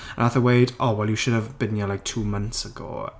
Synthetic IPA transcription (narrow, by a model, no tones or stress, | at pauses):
ə̰̃naθəweɪdʔɔwɛlˠjuʃʊdəvbɪ̃njalaɪjk̚tʰuːmʌ̃nθsəɡo̰ː